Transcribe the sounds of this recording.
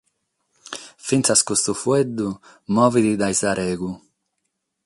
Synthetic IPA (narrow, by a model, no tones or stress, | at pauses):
finsaskust̪ufuɛd̪ːu | mɔːvid̪id̪ajsaɾɛːɡu